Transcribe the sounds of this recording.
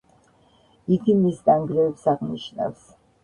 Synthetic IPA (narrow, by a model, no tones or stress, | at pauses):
iɡ̪imisd̪aŋɡɾɛɛpsaʁniʃna̰fs